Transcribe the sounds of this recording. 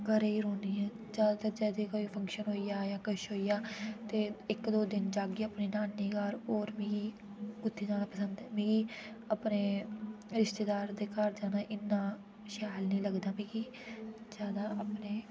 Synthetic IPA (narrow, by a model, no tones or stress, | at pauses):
ɡəɾeːiːɾõːnd̪iːɛ̃ː | d͡ʒaːd̪aːt̪əd͡ʒɛːd̪eːkoːiːpʰə̃ŋkʃənɦoːiːjaːjãːkəʃɦoːijaːt̪eːɪkd̪oːd̪ɪnd͡ʒaːɡiːəpniːnaːnːiːɡaːɾoːɾmĩːɡiː | ʊt̪ʰːeːd͡ʒaːnãːpəsənd̪ɛːmẽːɡiː | aːpneː | ɾɪʃt̪eːd̪aːɾd̪eːkəɾd͡ʒaːnaːʔɪnːãː | ʃaːlnĩːləɡd̪aːmĩːɡiː | d͡ʒjaːd̪aːʔapneː